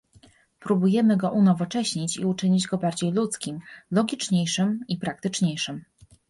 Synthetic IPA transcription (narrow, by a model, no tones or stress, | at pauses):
pɾubujɛmɘɡɔʔunɔvɔt͡ʂɛɕɲit͡ɕḭut͡ʂɘɲid͡ʑɡɔbaɾd͡ʑejlut̪skʲimlɔɡʲit͡ʂɲejʂɘmipɾak̚t̪ɘt͡ʂɲejʂɘm